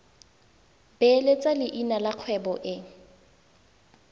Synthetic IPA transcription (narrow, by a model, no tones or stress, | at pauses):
belet͡sʼalɪʔinalaq͡χʰwɛbɔʔɪŋ̩